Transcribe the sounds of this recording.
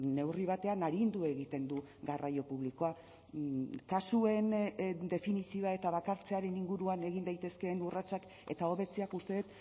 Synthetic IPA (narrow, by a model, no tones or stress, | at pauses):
ne̞wriβ̞at̪e̞anaɾind̪ue̞ɣit̪e̞nd̪u | ɣarajo̞puβ̞liko̞a | kasue̞nd̪e̞finisio̞ae̞t̪aβakaɾt͡se̞aɾe̞niŋɡuɾuane̞ɣ̞ind̪ajt̪e̞ske̞nurat͡sak | e̞t̪ao̞βe̞t͡seakust̪e̞ðet̪